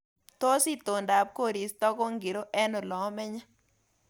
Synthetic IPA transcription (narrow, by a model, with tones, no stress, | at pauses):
t̪o˦si˦t̪o˨nda˨p̚ko˦˨ɾi˨st̪ɔ˦ko˦ŋɡi˨ɾo˦ʔɛ˦nɔ˨lɔ˨˦mɛ˦ɲa˦